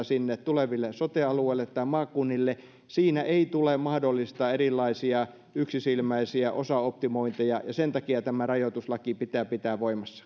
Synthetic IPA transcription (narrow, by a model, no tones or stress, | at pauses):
sinːett̪uleʋilːesot̪eɑlueilːet̪tːɑimɑːkːˑunːilːe | siːnæʔeit̪ulemɑhdolːist̪ɑːerilːˑɑisiɑ | yksisilmæisiæʔosɑop̚t̪imoint̪ejɑjɑsent̪ɑkiɑt̪æmærɑjot̪uslɑkipit̪æːpit̪æːʋʋoimɑsːɑ̥